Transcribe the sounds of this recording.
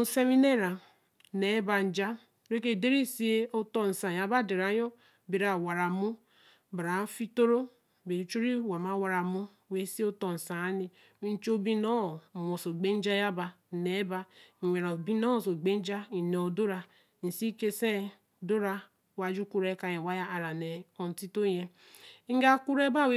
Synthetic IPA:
n̩˦se˦mi˦ne˦˨ɾa˨ | ne˨˦ba˨n̩˨d͡ʒa˦ | ɾe˦k̬e˦˨de˦ɾi˦si˦e˦o˦to˦n̩˨sã˨ja˨ba˦˨de˨ɾa˨˦jo˦ | be˨ɾa˨wa˨ɾa˨mu˦ | ba˨ɾa˨˦fi˦to˦ɾo˦ | be˨i˨˦t͡ʃu˦ɾi˦wa˨ma˦wa˨ɾa˨mu˦˨we˦si˦o˦to˨n̩˨sa˨a˦ni˨˦ | n̩˦t͡ʃo˦bi˦no˦˨mo˨so˨ɡ͡be˦n˦d͡ʒa˦ja˦ba˨ | ne˨˦ba˦˨wʷe˨ɾa˨bi˦no˦˨so˨ɡ͡be˦n˦d͡ʒa˦i˨ne˨o˨do˦ɾa˨ | n̩˨si˦ke˦se˦ | do˦ɾa˦ | wa˨˦d͡ʒu˦ku˦ɾe˦ka˨je˨wa˦ja˦a˨ɾa˨ne˨o˨n̩˨ti˦to˦je˦ | ɡa˦ku˦ɾe˦ba˦˨we˦

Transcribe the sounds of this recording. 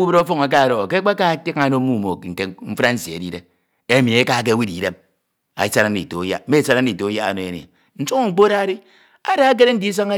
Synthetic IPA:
u˦be˦ɾo˦fo˦ŋa˨k̬a˦˨ɾo˨ke˦k͡pa˦ka˦˨ti˦ka˨no˦mu˦˨mo˨ŋ̩˨ke˨ɱ̩˦fa˦n̩˦si˨ḛ˨di˦de˦ | e˦mi˨e˦ka˦k̬e˦wi˦di˨˦de˦m | a̰˨˦sa˦ɾa˦n̩˦i˨to˨˦ja̰˦e˦˨sa˦ɾa˦n̩˦i˨to˨˦ja˦a̰˨no˨e˨n˨ḛ˨ | n̩˦so˦ŋo˨ŋ͡m̩˨k͡po˦ɾa˦ɾi˦ | a˦da˦a˦k̬e˦ɾe˦n̩˦di˦s̬a˦ŋe˦

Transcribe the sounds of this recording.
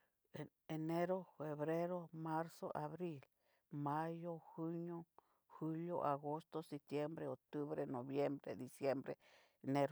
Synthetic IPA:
e˨ | e˨ne˦ɾo˦fe˨βɾe˦ɾo˦ma˦ɾso̰˦ʔa˨βɾi˦l | ma˦jo˦xu˦ɲo˦ | xu˦ljo˦ʔa˨ɣo˦st̪o˦si˨t̪je˦mbɾe˦o˨t̪u˦βɾe˦no˨βje˦mbɾḛ˦d̪i˨sje˦mbɾḛ˦ | ne˦ɾo

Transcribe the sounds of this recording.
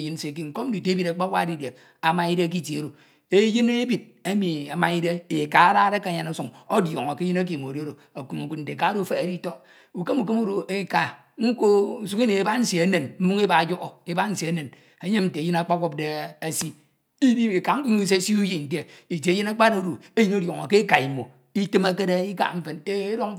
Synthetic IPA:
ji˦n̩˦se˨k̬i˦ŋ̩˨ko˦m̩˦i˨te˦bi˦ɾa˨k͡pa˦wʷa˦di˦˨de˨ | a˨ma˦i˦de˦a˦k̬i˦˨te˨o˨ɾo˨ | e˦ji˦ne˦bi˨d̚a˦mi˨a˨ma˨i˦de˦e˨ka˨a˦ɾa˦ɾe˦ka˨˦ɲa˨na˦su˨ŋo˦djo˨ŋo˨ke˦ji˦na˦k̬i˨m˨o˨ɾɾo˨ | a˨ku˨ŋu˨ku˦t̚n̩˨te˨ka˨˦ɾo˦˨fe˦a˨ɾi˦to˦ | u˨ke˦mu˨ke˦mu˦ɾo˨e˦ka˨ | ŋ̩˦ko˦˨su˦ki˦ne˨e˨ba˦n̩˦si˨e˦ne˨nm̩˦mu˦ŋe˦ba˨d͡ʒo˦ʔo˨e˦ba˦n̩˦si˨e˦ne˨n | e˨˦ɲe˦n̩˨te˨ji˦na˦k͡pa˦ko˦p̚de˦a˨si˦ | i˦di˦e˨ka˨ŋ̩˦ku˦u˦s̬e˦si˦u˦ji˦˨n̩˨te˦i˨tːji˦na˦k͡pa˦ɾe˦o˦ɾo˨e˦ji˦n˦o˦djo˨ŋo˨ke˦ka˨i˨mo˨ | i˦tɨ˦ma˦ke˦de˦i˦ka̰˨ɱ̩˦fe˨n˨te˦e˦ɾo˦ŋ˦

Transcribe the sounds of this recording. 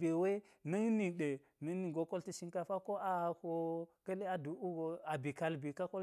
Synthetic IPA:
be˨we˦ | nə˦ŋni˨ɗe˨ | nə˦ŋ˦ni˨ɡo˨˦ko˦lti˦ʃi˦ŋka˦fa˦ko˦a˨ho˨kə˦le˦a˨du˨u˦ɡo˨a˨bi˨ka˦lbi˨ka˦ko˦

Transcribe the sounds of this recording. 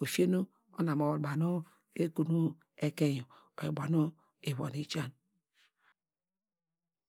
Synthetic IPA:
o˨fi˦e˦no˦ | o˦na˨mo˨ba˨no˦ | e˦ku˨nu˦ | e˨ke˦jo˨ | o˨i˨ba˨no˦ | e˨βo̰˨ni˦t͡ʃa˦n

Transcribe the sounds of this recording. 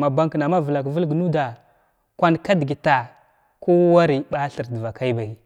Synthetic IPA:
ma˨ba˦ŋkna˨ma˦və˨la˨kvə˦lɡnu˦da˨ | kʷa˦nka˦di˨ɡi˨ta˨ | ko˦wa˦ɾi˨ɓa˦ɬə˨ɾdə˨va˨ka˦i˦ba˨i˨

